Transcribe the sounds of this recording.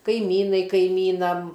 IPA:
kɐɪˈmʲiːnɐɪ kɐɪˈmʲiːnɐm

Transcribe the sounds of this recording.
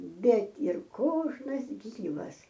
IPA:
ˈbʲɛt ɪr ˈkoːʒnɐs ˈɡʲiːʋɐs

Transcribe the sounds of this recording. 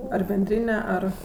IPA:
ɐr bʲɛnʲˈdʲrʲiːnʲɛ ˈɐr

